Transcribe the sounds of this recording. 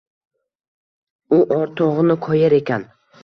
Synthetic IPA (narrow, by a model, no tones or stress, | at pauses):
ʊʔɒɾt̪ʰoʁɨnɪkʰɒjaɾe̞kʲan